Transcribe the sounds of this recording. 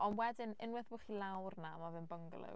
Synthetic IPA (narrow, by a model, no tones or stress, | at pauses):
ɔnwɛdɪnɪnwɪθbʊχilˠawrnamavɨnbəŋɡlˠɪ̰